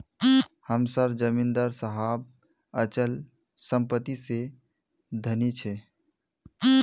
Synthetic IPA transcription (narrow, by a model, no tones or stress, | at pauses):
həmsəɾd͡ʒəmĩnd̪əɾsəɦab̚ | ət͡ʃəl | səmpət̪ise | d̪ʱənit͡ʃʰe